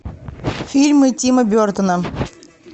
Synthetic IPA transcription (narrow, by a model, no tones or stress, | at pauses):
fʲilʲmɨtʲiməbʲort̪ənə